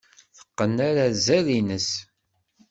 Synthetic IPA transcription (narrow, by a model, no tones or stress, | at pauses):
θə̥qːənːaɾazælinəs